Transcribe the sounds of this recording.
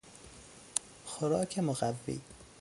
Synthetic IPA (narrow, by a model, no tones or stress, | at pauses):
xoɾɒːkʰemoɣævːḭː